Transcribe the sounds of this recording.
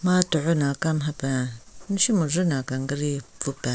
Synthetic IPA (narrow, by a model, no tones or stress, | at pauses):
matuʕunakamɦabaʃimuzunakaŋɡəɾivupa